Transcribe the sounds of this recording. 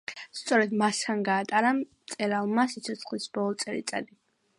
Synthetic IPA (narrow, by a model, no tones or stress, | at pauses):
st̪sʼɔɾɛd̪mast̪ʰanɡaːt̪ʼaɾat̪sʼɛɾalˠmasit̪sʰɔt̪sʰχlisb̥ɔlˠɔt̪sʼɛɾḭt̪sʼa̰d̪i